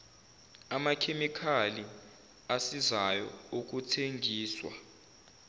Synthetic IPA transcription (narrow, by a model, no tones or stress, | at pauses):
amakʰemikʰali | asizajɔ̰uk̬ʼutʰeŋɡʱiːswa̰